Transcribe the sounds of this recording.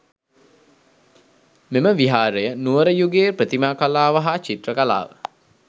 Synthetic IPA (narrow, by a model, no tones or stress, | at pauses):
meməʋiɦaːɾəjənuʋəɾəjuɡeːpɾət̪imaːkalaːʋaɦat͡ʃit̪rəkala̰ːʋə̰